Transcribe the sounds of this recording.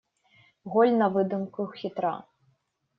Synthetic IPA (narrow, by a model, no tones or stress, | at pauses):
ɣɔlʲnɐvɨd̪ɨmkuxʲit̪ɾa̰